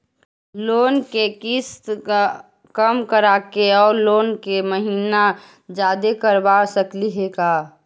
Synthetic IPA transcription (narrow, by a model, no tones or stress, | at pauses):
loːnkekɪst̪ka | kəmkəɾaːkeɔːɾloːnkeməɦiːna | d͡ʒaːd̪ekəɾbasəkliɦeːɡaː